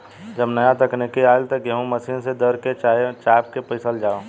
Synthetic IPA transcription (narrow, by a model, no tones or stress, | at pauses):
d͡ʒəbnəjãt̪ɐknekiaːɪlt̪ɐɡeɦũmɐsinsed̪əɾket͡ʃaːp̚kepəɪsəld͡ʒaːo